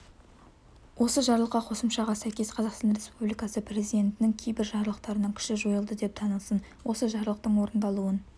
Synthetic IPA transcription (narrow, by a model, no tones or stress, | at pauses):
wʔo̞səʒɑɾlˠəqːɑqʰo̞səmʃɑʁɑsæjkʲe̞sqʰɑzɑqst̪ɑnɾe̞spublijkɑsəpʰɾe̞zijd̪e̞nt̪ɪnɪŋkʲʰejbɪɾʒɑɾəlˠəqt̪ɑɾənɑŋkʲʰɪ̥ʃɪʒo̞jəlˠd̪əd̪e̞p̚t̪ʰɑnəlˠsən | wo̞səʒɑɾəlˠəq̚t̪əɴwo̞ɾənd̪ɑlˠuən